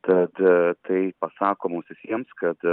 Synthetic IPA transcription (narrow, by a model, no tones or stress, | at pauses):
t̪ɐt̪t̪ʰɐɪpɐsɑːkoːmuːsʋʲɪsʲiɛmskɐt̪